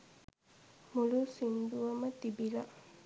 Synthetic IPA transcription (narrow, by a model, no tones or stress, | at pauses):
mulusind̪uʋɐmɐt̪ibilɐ